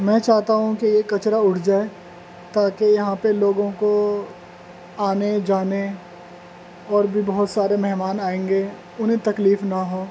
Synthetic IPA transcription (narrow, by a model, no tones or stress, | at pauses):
mɛ̃ːt͡ʃaːɦt̪aɦũkijekɐt͡ʃɾaʊʈʰd͡ʒaːe | t̪aːkejɐɦãpeloːɡõko | aːned͡ʒaːne | ɔːɾbʱibɐɦʊt̪saːɾemɛɦmaːnaːẽːŋɡeː | ʊnɦẽt̪ɐkliːfnɐɦoː